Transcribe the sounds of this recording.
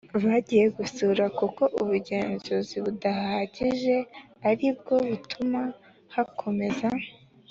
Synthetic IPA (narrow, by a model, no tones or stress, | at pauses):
βaɟije̞ɡusuːɾakuko̞ʔuβuɟe̞ːnzuziβudahaɟiʒe̞ | aɾib̚ɡo̞βutʰuma | hakʰo̞me̞za